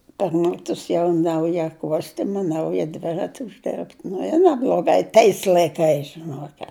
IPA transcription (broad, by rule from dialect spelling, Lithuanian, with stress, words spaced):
pɐr ˈmʲæːtʊs jɛʊ ˈnɐʊjɛ ˈkuɔsʲtʲɪmɐ ˈnɐʊjɛ ˈdʲʋʲɪrɐtʲɪ ʊʒʲˈdʲɛrpt ˈnʊ ɪ nʲɛblˠoːˈɡɐɪ ˈtɐɪs lˠɐɪˈkɐɪs ʒʲɪˈnuɔkʲɛt